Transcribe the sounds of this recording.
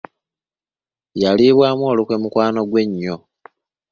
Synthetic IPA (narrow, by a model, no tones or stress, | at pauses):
jaliːβwaːmwo̞ːlukwe̞mukwaːno̞ɡwe̞ɲːo